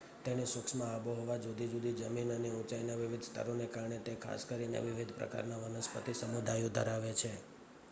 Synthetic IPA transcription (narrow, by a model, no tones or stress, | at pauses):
t̪enesʋəkʃmãːboɦɔʋad͡ʒud̪ʱid͡ʒud̪ʱid͡ʒəminəneũt͡ʃainaʋiʋid̪ʱst̪ʰə̰ɾonekaɾɳet̪ekʰa̰skəɾinḛʋɪʋid̪ʱpɾə̰ka̰ɾnaʋənəspə̰t̪isəmud̪ʱajod̪ʱə̰ɾaʋet͡ʃʰe